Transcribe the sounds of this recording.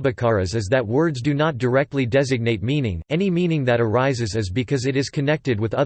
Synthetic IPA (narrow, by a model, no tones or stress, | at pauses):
bɨkʰɑɹɨzɨzðɨt̚wɜ˞dzdɨnət̚d̥ə˞ɛk̚tˡlidɛzɨɡ̚neɪt̚mĩnɪ̰̃ŋɛnimĩnɪ̃ŋðɨɾə˞aɪzɨzɨzbɨkʰʌzɨɾɨz̥kʰɨnɛk̚tɨd̚wɨðʌ